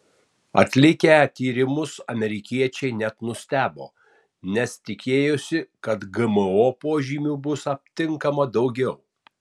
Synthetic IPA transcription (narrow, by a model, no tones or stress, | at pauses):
ɐ̰t̪ʲlʲɪkʲæt̪ʲiːɾʲɪmʊsɐmʲɛɾʲɪkʲiɛt͡ʃʲɛɪnʲɛt̪nʊsʲt̪ʲæːbo̰ː | nʲɛst̪ʲɪkʲeːjʊsʲɪkɐt̪ɡɐmɨoːpoːʒʲiːmʲuːbʊsɐpʲt̪ʲɪŋkɐmɐd̪ɒʊɡʲɛʊ